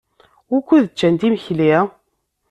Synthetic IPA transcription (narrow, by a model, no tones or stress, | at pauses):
ʊkʷːuðət͡ʃːænt̪imçli